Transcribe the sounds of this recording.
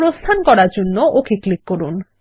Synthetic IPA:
ɾost̪ʰankɔɾaɾd͡ʑonːoʔokiklikːoɾun

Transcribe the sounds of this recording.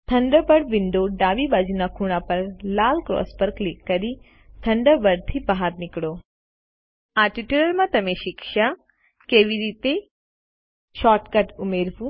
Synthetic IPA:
t̪ʰɐɳɖəbəɽʋɪɳɖoɖaːʋibad͡ʒnakʰuɽ̃apɐɾlaːlkɾɔ̰ːspəɾklikːɐɾi | t̪ʰɐɳɖəbɐɽt̪ʰibaɦaɾnɪkɽoː | aʈiʈuɾəɾmãt̪ɐmẽʃɪkʃa | keːʋiɾiːt̪e | ʃɔːʈkɐʈumeːɾʋu

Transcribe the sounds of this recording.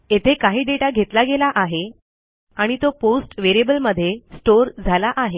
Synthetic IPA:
et̪ʰekaɦiːɖeʈaɡʱet̪laɡelaʔaɦe | aɽ̃it̪oposʈʋeɾiebəlməd̪ʱːjesʈoɾd͡zʱalaʔaɦe

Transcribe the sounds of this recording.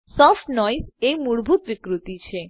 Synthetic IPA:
sɔfʈnɔjsejmuɽbʱut̪ʋikɾut̪it͡ʃʰe

